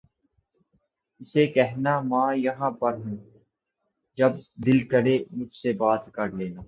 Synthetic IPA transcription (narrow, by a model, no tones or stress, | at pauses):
ɪsekɛɦnamãːjɐɦãpɐɾɦũː | d͡ʒɐbd̪ɪlkəɽemʊd͡ʒʱsebaːt̪kɐɾleːnaː